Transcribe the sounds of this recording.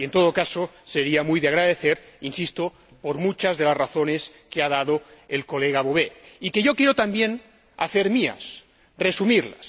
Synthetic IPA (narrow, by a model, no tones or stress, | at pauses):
ie̞nt̪o̞ð̞okasoseɾiamujðeaɣɾaðeθeɾinsist̪o | poɾmut͡ʃazðe̞laszraθoneskeaðaðoelko̞leɣaβoβeikeʝo̞kjeɾot̪ambjen | a̰θeɾmia̰s | resumiɾlas